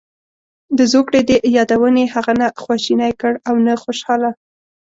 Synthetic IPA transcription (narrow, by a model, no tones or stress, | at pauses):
d̪əzokɽed̪əjɑd̪awənehaɣanaxwaʃinajkəɽawnaxoʃɑla